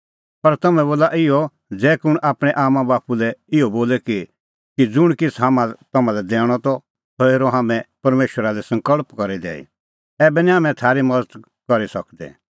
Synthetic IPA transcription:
pɐɾt̪ɐmɛ̃boːlaʔɪɔ | d͡zɛːkʊɽ̃ʔaːpɽ̃ɛʔaːmãbaːpulɛɪɔboːlɛki | kid͡zʊɽ̃kɪsʰɦaːmãt̪ɐmãlɛd̪ɛːɽ̃ɔt̪ɔ | t̪ɔeːɾɔɦaːmɛ̃pɐɾmeːʃwəɾalɛsɐ̃ŋkəɭpkɐɾid̪ɛ̰ːḭ | ɛːbɛniɦaːmɛ̃t̪ʰaːɾimɐd̪ət̪ | kɐɾisɐkd̪ɛ̰

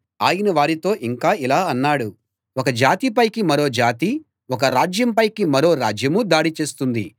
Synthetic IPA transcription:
aːjɐnɐʋaːɾit̪o̞ːʔiŋkaːilaːɐnːaːɽu | wɔkɐd͡ʒaːt̪ipɐjkimɐɾo̞ːd͡ʒaːt̪i | ɔk̬ɐɾaːd͡ʒjɐmpɐjkimɐɾo̞ːɾaːd͡ʒjɐmud̪aːɽit͡ʃe̞ːst̪und̪i

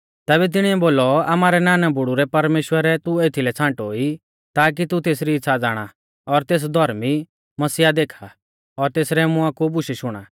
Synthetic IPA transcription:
t̪ɛːβɛt̪̬ɪɽ̃iɛboːlɔamaːɾɛnaːnabʊɽuɾɛpɐɾmeːʃwəɾɛt̪ueːt̪ʰilɛt͡sʰãːɳʈɦoːi | t̪aːk̬it̪ut̪eːs̬ɾit͡sʰad͡zaːɽ̃a | ɔɾt̪eːs̬d̪ʱɔɾmi | mɐsiːad̪eːkʰa | ɔɾt̪eːsɾɛmʊãkubʊʃiʃʊɽ̃a̰ː

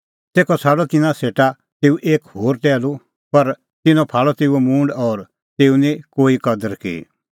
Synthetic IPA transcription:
t̪eːkɔt͡sʰaːɽɔt̪ɪnãseːʈa | t̪eːuʔeːkhoːɾʈɛːlu | pɐɾ | t̪ɪnɔ̃pʰaːɭɔt̪eːuɛmũːɳɖɔːɾ | t̪eːunĩkoːikɐd̪əɾkḭ

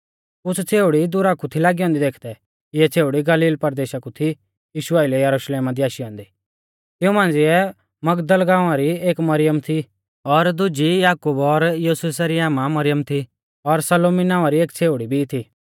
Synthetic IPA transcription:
ʊt͡sʰt͡sʰeːʊɽid̪ʊɾakut̪ʰilaːɡiɦɔ̃ːnd̪id̪eːkʰd̪ɛ | ɪɛt͡sʰeːʊɽiɡɐliːlpɐɾd̪eːʃakut̪ʰi | jiːʃʊaɪlɛjɐɾuʃleːmad̪iaːʃiɔ̃ːnd̪i | t̪ɪũmãːnd͡zɪɛ | mɐɡd̪əlɡãːaɾieːkmɐɾɪjəmt̪ʰi | ɔɾd̪ʊd͡ʒijaːkubɔɾjuːses̬aɾiaːmamɐɾɪjəmt̪ʰi | ɔɾsɐloːminãːaɾieːkt͡sʰeːʊɽibʱit̪ʰiː

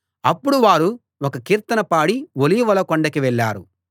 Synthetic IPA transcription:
ɐpːuɽuʋaːɾu | ɔkɐkiːɾt̪ɐnɐpaːɽiʋolijʋɐlɐkoɳɖɐkiʋɛɭːa̰ːɾṵ

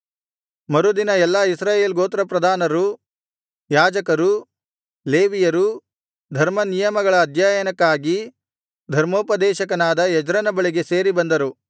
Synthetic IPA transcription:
mɐɾud̪inɐɛlːɐisɾaːjeːlɡoːt̪ɾɐpɾɐd̪ʱaːnɐɾu | jaːd͡ʒɐkɐɾu | leːʋijɐɾu | d̪ʱɐɾmɐnijɐmɐɡɐɭɐːd̪ʱjaːjɐnɐkːaːɡi | d̪ʱɐɾmoːpɐd̪ɛːʃɐkɐnaːd̪ɐjɛd͡ʒɾɐnɐbɐɭiɡe̞se̞ːɾibɐnd̪ɐɾu

